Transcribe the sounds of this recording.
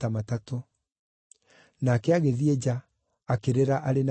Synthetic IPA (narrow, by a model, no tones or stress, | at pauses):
amatato | nakɛaɣeðied͡ʑaː | keɾeɾaʔaɾena